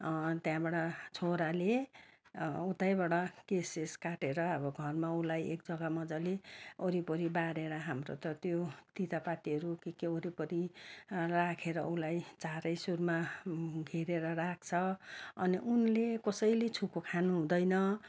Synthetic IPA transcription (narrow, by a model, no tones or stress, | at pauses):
t̪jãbaɽʌt͡sʰoɾale | ut̪ajbaɽʌkeseskaʈeɾʌʌbʌɡʱʌrmaulajḛkd͡zʌɡamʌd͡zaleoɾipʌɾibaɾeɾʌɦamro̰t̪ʌt̪jot̪it̪apat̪iɦʌɾukikeoɾipʌɾi | rakʰeɾʌ̰ulajt͡saɾʌjsurmaɡʱiɾeɾʌrak̚ʰt͡sʰʌʌniʔunlekʌsʌjlet͡sʰukokʰanuɦũd̪ʌjnʌ